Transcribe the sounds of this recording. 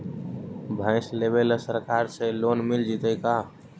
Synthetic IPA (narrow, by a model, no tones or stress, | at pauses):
bʱə̃ɪslebelsəɾkaɾselonmild͡ʒit̪əka